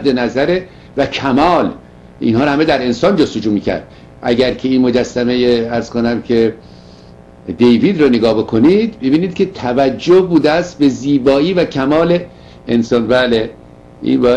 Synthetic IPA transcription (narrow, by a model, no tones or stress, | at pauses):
d̪enæzæɾe | væcʰæmɒːl | ʔḭnhɒːɾhæmed̪æɾe̞nsɒːnd͡ʒost̪o̞d͡ʒuːmiːkcʰæ̰ɾd̪̥ | ʔæ̰ɟæɾcʰe̞iːnmo̞d͡ʒæsːæme̞jeæɾz̥konæmcʰe̞ | d̪e̞jviːd̪ɾɔneɡɒːbe̞kʰo̞nid̪̥bebiːniːd̪cʰe̞t̪ʰævæd͡ʒːohbuːd̪eæst̪̚be̞ziːbɒːiːvæcʰæmɒːle̞ː | nsɒːnbæːle | ḭnbɒː